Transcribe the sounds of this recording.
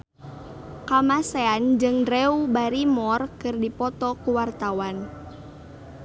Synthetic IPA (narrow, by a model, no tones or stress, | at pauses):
kamaseand͡ʒɨŋdɾɛubaɾimɔrkɨrdipɔt̪ɔkuwart̪awan